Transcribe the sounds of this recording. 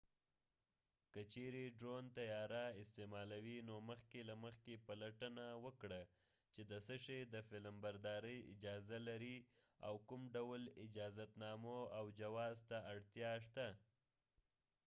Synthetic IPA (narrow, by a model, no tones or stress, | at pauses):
kət͡ʃeɾeɖɾont̪ajɑɾaɪst̪emɑlawinoməxkelaməxkepalaʈənawəkɽa | t͡ʃed̪əsəʂed̪əfɪləmbaɾd̪ɑɾəjɪ̰d͡ʒɑzalaɾi | a̰wkʊmɖawlɪd͡ʒɑzat̪nɑmoawd͡ʒawɑzt̪aaɽt̪jɑʂt̪a